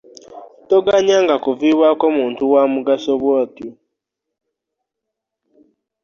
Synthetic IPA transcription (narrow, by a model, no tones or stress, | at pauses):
toɡaɲaŋɡakuviːβwakomuːntuwamuɡasoβwoːtu